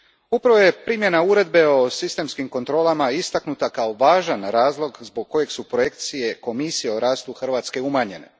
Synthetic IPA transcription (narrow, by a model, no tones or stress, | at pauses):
upɾaʋoje̞pɾiːmje̞nauɾe̞d̪be̞o̞sist̪e̞mskimko̞nt̪ɾo̞ːlˠamaist̪aknut̪akao̞ʋaːʒanɾaːzlˠo̞ɡzbo̞ɡ̚kːo̞je̞ɡsupɾo̞je̞kt̪sije̞ko̞misijeoɾaːst̪uxrʋaːt̪ske̞umaɲe̞ne̞̰